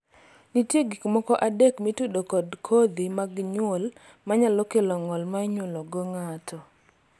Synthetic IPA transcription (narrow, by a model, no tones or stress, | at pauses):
nitjeɡikmɔkɔʔadekmitudokɔdkʰɔd̪imaɡɲwol | maɲalɔkelɔŋɔlmaɲwolɔɡoŋatʰɔ